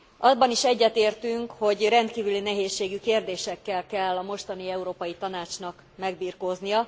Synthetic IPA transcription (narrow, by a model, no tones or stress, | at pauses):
ʔɒbɒniʃɛɟːɛt̪eːrt̪yŋkho̞ɟrɛnt̪kiːvylinɛɦeːʃːeːɡykeːrd̪eːʃɛkːɛlkɛlːɒmo̞ʃt̪ɒniɛuɾoːpɒjit̪ɒnaːt͡ʃnɒk | mɛɡ̚biːrkoːznijɒ